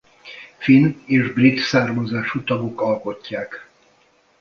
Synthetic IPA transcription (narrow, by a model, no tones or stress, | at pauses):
fineːʒbrit̪saːrmɒzaːʃut̪ɒɡo̞kɒlko̞cːaːk